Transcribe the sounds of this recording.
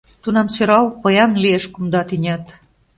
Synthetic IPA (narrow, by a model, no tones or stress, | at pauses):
t̪unɑmsøɾɑlpɤ̆jɑnlieʃkumd̪ɑt̪inʲæt̪